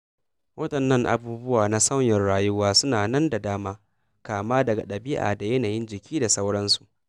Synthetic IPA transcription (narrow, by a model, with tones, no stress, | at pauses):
wɐ˦tɐ˨nːɐ˦˨ŋʔa̰˨buː˦bʊ˦waː˨na˦sɐ˦wjɛ˨rɽaː˦jʊ˦waː˦sʊ˦naː˨nɐ˦nda˨daː˦maː˦ | kaː˨maː˦dɐ˨ɡa˨ɗɐ˨bɪ˦ʔa̰ː˨da˨jɐ˦naː˨jɪ˦nd͡ʒɪ˨kʲʰiː˦da˨sɐ˦wɽɐ˦nsu˨ʔ